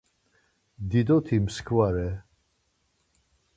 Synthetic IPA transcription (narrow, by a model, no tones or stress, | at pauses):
d̪id̪ɔt̪ʰimskʰvaɾɛ